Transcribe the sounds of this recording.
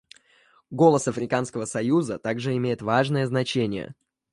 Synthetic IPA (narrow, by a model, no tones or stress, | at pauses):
ɡo̞lˠəsɐfɾʲɪkanskəvəsɐjuzət̪aɡʐɨɪmʲejɪt̪vaʐnəjəznɐt͡ɕenʲɪjə̰